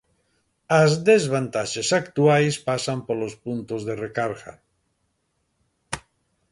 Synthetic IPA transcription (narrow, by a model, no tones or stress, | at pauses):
azd̪ezβant̪aʃesakt̪uajspasampolospunt̪ozðerekaɾɣa̰